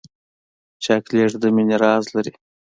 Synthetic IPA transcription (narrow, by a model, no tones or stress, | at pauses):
t͡ʃakleːʈd̪əminiɾɑːzlɐɾi